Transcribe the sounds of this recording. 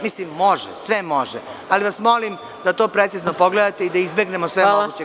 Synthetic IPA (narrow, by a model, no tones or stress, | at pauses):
mislimːo̞ʒɛ̰sʋemo̞ʒealiʋasmo̞lim | d̪at̪o̞ːpɾet̪sizno̞po̞ɡle̞d̪at̪e̞id̪aizbeɡnemosʋeoɡut͡ɕe